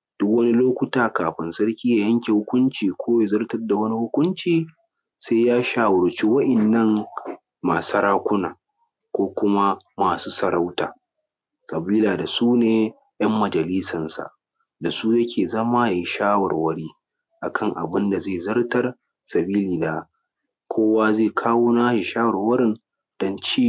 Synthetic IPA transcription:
d̥ʊ˦kwɐ˦ni˦loː˦kʷʊ˦taː˨kaː˨ɸɪ˨nsɐ˦ɽkʲiː˦jaː˨jɐ˦ŋkʲe˨hʊ˦kʷʊ˦nt͡ʃiː˨kʷoː˦je˨zɐ˦rtɐ˦rda˨wɐ˦ni˦hʊ˦kʷʊ˦nt͡ʃiː˨ | sa˦jaː˦ʃaː˨wʊ˨ɽt͡ʃi˦wɐ˦ʔɪ˨nːɐ˦˨ŋ | maː˨sɐ˦ɽaː˦kʷʊ˦naː˨ | kʷoː˦kʷʊ˦ma˦maː˨suː˦sɐ˨ɽa˦wta̰ː˨ | kʼɐ˨biː˦laː˨da˨suː˦neː˨ | jɐ˦mːɐ˨d͡ʒɐ˨liː˦sɐ˨nsa̰˨ʔ | da˨suː˦jɐ˦kʲeː˨zɐ˦maː˦ja˨ji˦ʃaː˦wɐ̰˨rwɐ˦ɽiː˦ | ʔa˨kɐ˦ŋʔa̰˨bɪ˦nda˨zeː˦˨zɐ˦rtɐ˦r | sɐ˨biː˦liː˨daː˦ | kʷʰoː˦waː˦zeː˦˨kʰaː˦woː˦naː˦ʃɪ˨ʃaː˦wɐ˨rwɐ˦ɾɪ˦n | d̥ɔ˦nt͡ʃiː˦

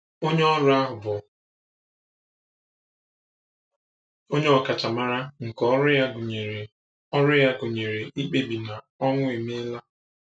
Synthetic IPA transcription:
o˦ɲe˦ɔ˦ɾʊ˦a˦ɦʊ˨bʊ˨ | o˦ɲe˦ɔ˨ka˨t͡ʃa˨ma˦ɾa˦ŋ̩˨kɔ˦ɾʊ˦ja˦ɡʊ˨ɲe˨ɾe˨ | ɔ˦ɾʊ˦ja˦ɡʊ˨ɲe˨ɾe˨i˦k͡pe˦bi˨na˨ | ɔ˦ŋʷʊ˦e˨m˦e˦la˦

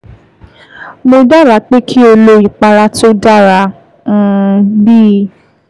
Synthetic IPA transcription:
mo˧da˦˨ɾa˧˨k͡pe˦kʰi˦o˧lo˧i˨k͡pa˧ɾa˧˦to˦da˦˨ɾã˧˦˨ | biː˦˨

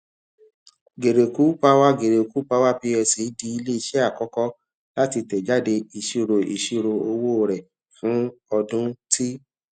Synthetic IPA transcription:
ɡe˨ɾe˨ku˨˦pa˧wa˦ɡe˨ɾe˨ku˨˦pa˧wa˦pi˧˦ɛ˧si˨˦di˧i˧le˦i˧ʃɛ˦a˦˨kɔ˦kɔ˦ | la˦ti˧tɛ˨d͡ʒa˦de˧i˧ʃi˧ɾo˧ʔḭ˧˨ʃi˧ɾo˧o˧wo˦˨ɾɛ˨ | fũ˨˦ɔ˧dũ˦ti˦

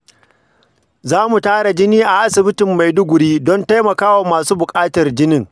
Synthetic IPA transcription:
zaː˦mu˨taː˦ɽa˨d͡ʒɪ˦niː˦ʔa˨ʔa˦sɪ˨bɪ˦tɪ˨mːa˨jdʊ˦ɡʷʊ˨ɽiː˦dɔ˦nta˦jmɐ˨kaː˦wa˨maː˨suː˦bʊ˨kʼaː˦tɐ˨rd͡ʒɪ˦nɪ˦ŋ

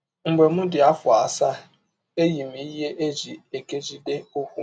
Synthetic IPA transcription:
ŋ͡m̩˨ɡ͡be˨mʊ̃˦dɪ˨a˦fʊ˨a˨sa˦ | e˦ji˨mi˨i˦ɦe˦ʔe˦d͡ʒi˨e˨ke˦d͡ʒi˦de˦o˦hʷu˦

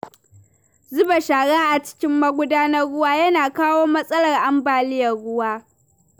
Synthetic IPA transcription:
zʊ˦ba˨ʃaː˨ɽaː˦ʔa˨t͡ʃɪ̥˦kʲɪ˦mːɐ˦ɡʷʊ˦daː˦nɐ˦rːʊ˦waː˦jɐ˦naː˨kaː˦woː˦mɐ˦sʼɐ˦lɐ˨rʔa˦mbaː˨lɪ˦jɐ˨rɽʊ˦waː˦

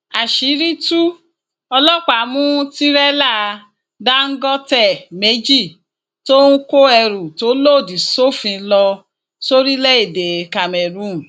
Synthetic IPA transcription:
a˨ʃi˨˦ɾi˦tu˦ | ɔ˧lɔ˦k͡pa˨˦mũ˦ti˦ɾɛ˦la˦˨˧ | da˦ŋ̩˦ɡɔ˦tɛ˦˨me˨˦d͡ʒi˦˨ | to˦nũ˦ko˦ɛ˧ɾũ˨to˨˦lo˦˨di˨so˦fĩ˧lɔ˧ | so˦ɾi˦lɛ˦e˦˨de˨ka˨mɛ˨ɾũ˦˨

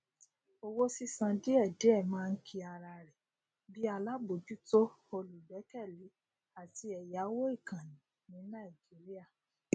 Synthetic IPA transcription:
o˧wo˦si˦sã˧di˦ɛ˦˨de˨˦ɛ˦˨mãː˦˧n̩˦kʰi˧a˧ɾa˧ɾɛ˨ | bi˦a˧la˦bo˨˦d͡ʒu˦to˦ | o˧lu˨bɛ˨˦kɛ˦˨li˨˦ | a˨ti˧ɛ˨ja˨˦wo˦i˦˨kã˨nĩ˨ | nĩ˨˦nã˦˨i˨d͡ʒi˨˦ɾi˦a˦˨

